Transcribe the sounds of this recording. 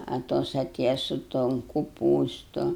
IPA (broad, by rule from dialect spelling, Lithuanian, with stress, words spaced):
ɐ ˈtoːs ɐˈtʲeːjɛ sʊ toːn kʊˈpuːstʊ